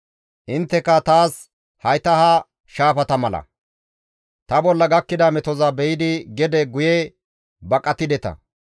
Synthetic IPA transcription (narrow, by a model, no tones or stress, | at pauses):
ʔɪnt̪ːɛkːɐt̪aːs | hɐjt̪ɐhɐ | ʃaːfɐt̪ɐmɐlɐ̰ | t̪ɐbɔlːɐɡɐkːɪd̪ɐmɛt̪ɔzɐbɛjɪd̪ɪɡɛd̪ɛɡʊjɛ | bɐkʼːɐt̪ɪd̪ɛt̪ɐ̰